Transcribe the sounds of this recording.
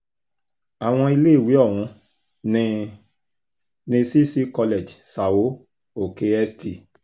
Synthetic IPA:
a˨w̃ɔ̃˧i˧leː˦˨wi˨˦ɔ˦˨w̃ũ˧ | nĩ˧ | nĩ˧si˦si˦kɔ˧le˨d͡ʒsa˨wo˨˦ | o˨ke˧ɛ˧sti˨

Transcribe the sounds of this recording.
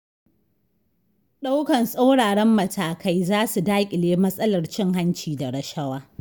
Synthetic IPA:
ɗa˦wkɐ˨nsʼa˦wɽaː˨ɽɛ˦mːɐ˨tʰaː˨ka˦jzaː˦su˨daː˦kʲʼɪ˨leː˦mɐ˦sʼɐ˦lɐ˨rt͡ʃɪ˦ŋha˦nt͡ʃiː˨da˨ɽɐ˨ʃɐ˦waː˦

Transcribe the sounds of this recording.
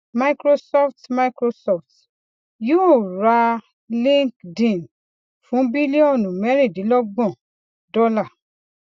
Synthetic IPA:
ma˦jkɾo˦sɔ˦ftma˦jkɾo˧sɔ˨ft | jo˦˨ɾa˧ | lĩ˦kdĩ˨n | fũ˨˦bi˦li˦ɔ̃˦˨nũ˨mɛ˦ɾi˦˨di˨˦lɔ˦ɡ͡bɔ̃˦˨ | dɔ˦la˦˨

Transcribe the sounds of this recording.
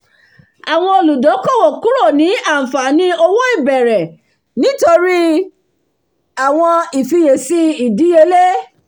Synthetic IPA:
a˨w̃ɔ̃˧o˧lu˨dɔ˨˦kɔ˦˨wɔ˨kũ˦ɾɔ˦˨nĩ˨˦ã˦˨fa˨nĩ˨˦ɔ˧wɔ˦i˦˨bɛ˨ɾɛ˨ | nĩ˨˦to˧ɾi˦ | a˨w̃ɔ̃˧i˨fi˧je˨si˦i˨di˨˦je˧˦le˦

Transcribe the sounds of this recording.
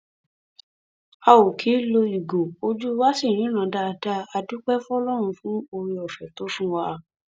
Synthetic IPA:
a˧wo˨kʰi˨˦lo˧i˨ɡo˨o˧d͡ʒu˦wa˦sĩ˦˨ĩ˨˦ɾ̃ã˨˧˨da˧da˦a˧du˦k͡pɛ˦fũ˦ɔ˦lɔ˦ɾ̃ũ˧fũ˨˦o˧ɾi˧ɔ˨fɛ˨to˨˦fũ˦wa˧

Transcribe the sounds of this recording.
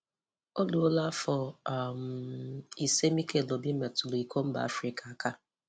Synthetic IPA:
o˦lu˨o˦la˦fɔ˨a˨m̩˨i˨se˦mi˦ke˦˨lo˨bi˦me˨tʊ˨lo˨i˨kʰo˦m̩˦ba̰˨a̰˦fɾi˨kʰa˨a˦ka˦

